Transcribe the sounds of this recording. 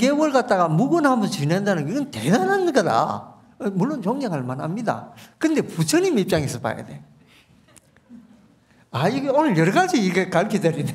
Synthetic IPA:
ɡewʌɭkat̚t͈aɣamuɡonhambʌnt͡ɕinandanɯŋɡiɡɯnte̞danɦanɡʌda̰ | muɭːont͡ɕoŋɲaŋɦaɭmanhamɲida̰kɯnde̞put͡ɕʰʌɲimip̚t͡ɕ͈aŋisʰɯba̰ja̰de̞ | aiɡeonɯɭjʌɾʌɣad͡ʑiːɡekaɭkʰid͡ʑʌɾine

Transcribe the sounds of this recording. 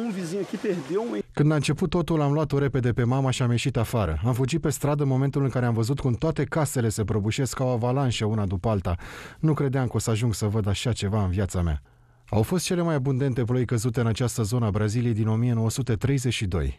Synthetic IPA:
ũviziɲukʲipeɾd̪ewũkɨnd̪laɨnt͡ʃe̞put̪ːo̞t̪ulamlwat̪oɾe̞pe̞d̪e̞pe̞mamaʃiamje̞ʃit̪afaɾə̰amfud͡ʒit̪̚pe̞st̪ɾad̪ənmo̞me̞nt̪ulɨŋkaɾeamvəzut̪kumt̪oat̪e̞kase̞le̞se̞pɾobuʃe̞skawavalanʃeunad̪upəalt̪anukɾe̞d̪eamko̞səaʒuŋɡsəvəd̪aʃat͡ʃe̞vaɨnvjat̪sama̰ | a̰wfo̞st̪̚t͡ʃe̞le̞majabund̪e̞nt̪e̞p̬lo̞jkəzut̪eɨnat͡ʃast̪əzo̞nəabɾazilijejd̪ino̞mie̞no̞wəsut̪e̞t̪ɾe̞jze̞ʃid̪o̞̰j

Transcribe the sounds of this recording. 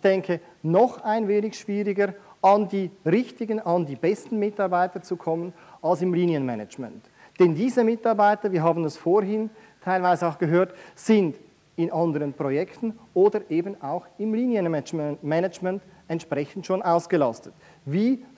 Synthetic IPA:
ɪçd̥ɛŋkʰə | nɔχaɪnveːnɪçʃv̥iːʁɪɡəɾʔɑndiːʁɪçtɪɡənɑndiːbɛstn̩mɪtɑɐʁbaɪtət͡sukʰɔmən | ɑlsɪmliːnjənmɛnəd͡ʒmɛ̰nt | d̥ɛndiːzəmɪtɑɐbaɪtəviːɐɦaːbn̩ɛsfoːɾɦɪn | tʰaɪlvaɪzəaʊxɡ̥əɦøːɐtz̥ɪnd | ɪnʔɑndəʁənpʁ̥ojɛktn̩ʔoːdəɾʔeːbn̩aʊxɪmliːnjənmɛnəd͡ʒmɛnt | ɛntʃpʁ̥ɛçn̩tʃoːnʔaʊsɡ̥əlɑstət | viː

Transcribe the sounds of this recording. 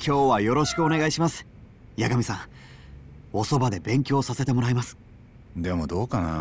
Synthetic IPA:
kʲo̞ːβajo̞ɾo̞ɕi̥kɯo̞ne̞ɡaiɕimasɨ̥ | jaɡamʲisãŋ | o̞so̞bad̪e̞bẽ̞ŋkʲo̞ːsase̞t̪e̞mo̞ɾaimasɨ̥ | d̪e̞mod̪o̞ːkana̰

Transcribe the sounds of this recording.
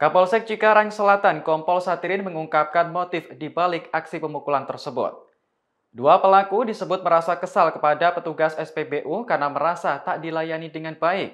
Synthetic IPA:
kapɔlsɛk̚t͡ʃikaɾaŋsəlat̪ankɔmpɔlsat̪iɾɪnməŋuŋkap̚kanmot̪ɪfdibalɪkaksipəmukulant̪ərsəbʊ̰t̪̚ | duapəlakudisəbʊt̪̚məɾasakəsalkəpadapət̪uɡasɛspebeʔukarnaməɾasat̪aʔdilajanidəŋanbaɪk̚

